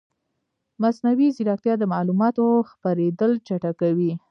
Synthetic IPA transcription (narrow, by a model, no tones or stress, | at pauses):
masnawiziɾɑk̚t̪jɑd̪əmɑlumɑt̪oxpaɾed̪əlt͡ʃaʈakawi